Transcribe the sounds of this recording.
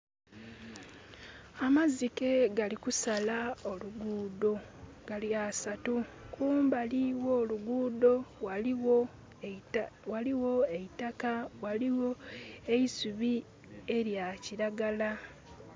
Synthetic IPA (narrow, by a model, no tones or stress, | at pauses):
amazike̞ɡalikusalao̞luɡuːdo̞ | ɡ̥aliasatukuːmbaliwo̞ːluɡuːdo̞wa | waliwo̞eitakawaliwoeisuβi | e̞ɾjaciɾaɡala